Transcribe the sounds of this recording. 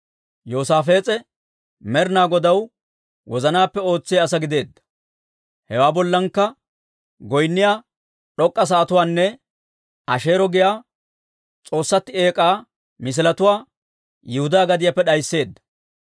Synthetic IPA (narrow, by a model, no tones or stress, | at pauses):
jo̞ːsaːfe̞ːt͡sʼɛ | mɛɾɪnaːɡɔd̪ɐw | wɔzɐnaːpːɛo̞ːt͡sːɪjaːs̬ɐɡɪd̪e̞ːd̪ːɐ̥ | hɛwaːbɔlːɐŋkːɐ | ɡɔjnːɪjaː | ɗɔkʼːɐs̬aːt̪ʊwaːnːɛ | ʔɐʃe̞ːɾɔɡɪjaː | t͡sʼo̞ːsːɐt̪ːɪe̞ːkʼaː | mɪs̬ɪlɐt̪ʊwaː | jɪhʊd̪aːɡɐd̪ɪjɐpːɛɗɐjsːe̞ːd̪ːɐ̥